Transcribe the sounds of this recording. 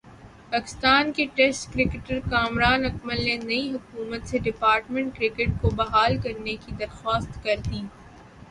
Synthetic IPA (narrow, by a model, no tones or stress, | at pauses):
paːkɪ̥st̪aːnkiʈɛsʈkɾɪkɪʈəɾkaːmɾaːnɐkməlːenɐiɦʊkuːmət̪seɖɪpaːɾʈmẽɳʈ̚kɾɪkɪʈ̚kobɐɦaːlkɐɾnekid̪ɐɾxaːst̪kɐɾt̪iː